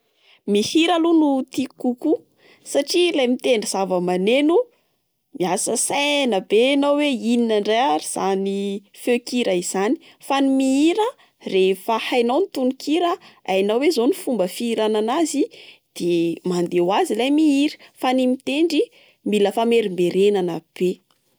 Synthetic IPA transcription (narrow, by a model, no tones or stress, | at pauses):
mihiɾalunut̪ikuku | saʈ͡ʂilajmit̪eɳɖ͡ʐiz̥avəmanenu | miasəsanəbenawweininaɳɖ͡ʐaaɾiz̥aniføkiɾaiz̥ani̥ | fanimiiɾə | refəhajnawnit̪unikʰiɾəajnawezonifumbəfiːɾananazid̪̥emand̪ewazilajmiiɾə̥fanimit̪eɳɖ͡ʐi | miləfameɾimbeɾenanəb̥e